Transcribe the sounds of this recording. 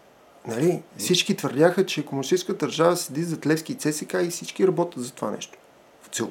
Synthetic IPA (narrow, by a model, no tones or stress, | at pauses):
nɐlifsit͡ʃkit̪vəɾd̪ʲjaxət͡ʃɛkomunisʃt̪iskət̪d̪əɾʒavəsɛd̪izɐt̪lɛfsk̟it̪sɛsɛkaisit͡ʃkiɾɐbɔt̪ʲət̪zɐt̪ova̰nɛ̰ʃt̪o̥ | fo̥t̪sɛlˠ